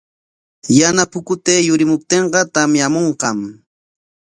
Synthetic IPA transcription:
janapʊkʊt̪eːjʊɾɪmʊp̚t̪eɴqɑt̪amjamoɴqɑm

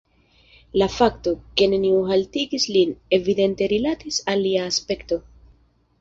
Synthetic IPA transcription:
lafakto̞ke̞ne̞niuɦaltiɡisline̞vide̞nte̞ɾilatisalːiaːspe̞kto̞

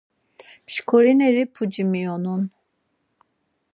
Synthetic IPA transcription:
pʃkʰoɾinɛɾipʰud͡ʒimijɔnun

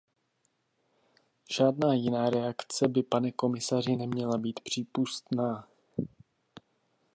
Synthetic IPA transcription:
ʒ̥aːdnaːjɪnaːɾɛakt͡sɛbɪpanɛko̞mɪsarɪnɛmɲɛlabiːt̪pr̝̥iːpust̪naː

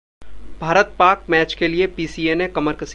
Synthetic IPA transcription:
bʱaːɾət̪̚paːɾk̚mɛːt͡ʃkeliepiːsiːenẽkɐməɾkɐs

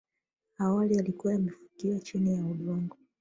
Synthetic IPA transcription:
awalialikuwajamɛfu̥kiwat͡ʃinijauɗɔŋɡɔ

